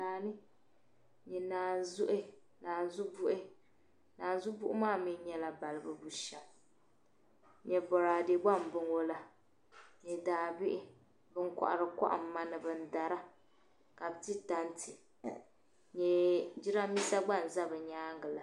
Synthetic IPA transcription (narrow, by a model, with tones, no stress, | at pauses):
aː˨nɨ˦ | ɲɛ˨naː˨zʊ˦ʔɪ˦ | naː˨n˨zu˦bu˦ʔɪ˦ | naː˨n˦zu˦bu˦ʔʊ˦maː˦˨mi˦ɲɛ˦la˨ba˨lɨ˨bɨ˦bu˦ʃɛ˨l | ɲɛ˨bɔ˨ɾaː˨de˨ɡ͡ba˦˨m˨bɨ˦ŋo˦la˨ | ɲɛ˨daː˨bɪ˦ʔɪ˦ | bɨ˦ŋkʷa̰˨ʔa̰˨ɾɨ˨ka̰˦ʔa̰˨m̩˦ma˦nɨ˨bɨ˨n̩˦da˨ɾa˦ | ka˨bɨ˨ti˦ta˦ntʰi˨ | ɲɛ˨d͡ʒi˦ɾa˦mi˦sa˦ɡ͡ba˦˨n˨za˦bɨ˨ɲaː˦ŋɡɨ˨la˨